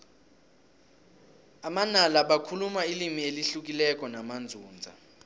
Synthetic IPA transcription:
amanalaɓakʰulumailimieliɬuk̬ilɛk̬ʼɔnamand͡zʱuːnd͡zʱa̰

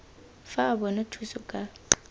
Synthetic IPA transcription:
faːbɔnatʰusʊkʼa

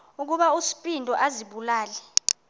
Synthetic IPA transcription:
uk̬uɓausi̥pʼindʱɔʔaziɓulaːlɛ

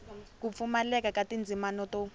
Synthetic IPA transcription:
kup̪fumalɛk̬ʼakatʼind͡zʱimanɔtɔ

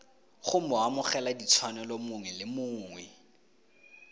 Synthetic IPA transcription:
χʊm̩ɔwamʊχɛladit͡sʰwanɛlɔmʊŋwɛlɪmʊːŋwɛ

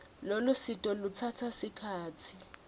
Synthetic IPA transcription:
lolusitʼɔlut͡sʰatʰasikʰaːt͡sʰi

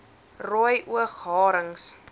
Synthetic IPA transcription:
ruəjʔuəχɦɑːɾəŋs

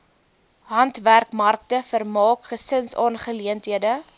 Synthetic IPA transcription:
ɦɐntværkmɐrk̚təfərmɑːkχəsənsɑ̰ːnχəliəntɦiədə

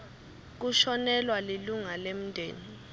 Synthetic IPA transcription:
k̬uʃɔnɛlwaliluŋalem̩dʱḛːni

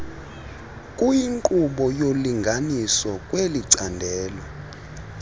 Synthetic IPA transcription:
kʼujiŋkʼuɓɔjoliŋɡʱanisɔkʼweliǀandʱɛːlɔ

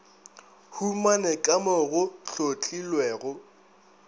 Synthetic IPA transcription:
humanɛkʼamɔɣʊɬot͡ɬʼilwɛːɣʊ

